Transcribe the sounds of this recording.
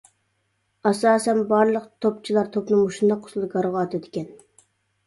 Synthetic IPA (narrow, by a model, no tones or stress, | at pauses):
ɑsɑːsɛnbɑɾlˠəqt̪ʰop̚t͡ʃʰilˠɑɾt̪ʰopnɨŋmuʃund̪ɑqʰʊ̥slˠɡɑɾʁɑːt̪ʰɪd̪ɪkʲɛn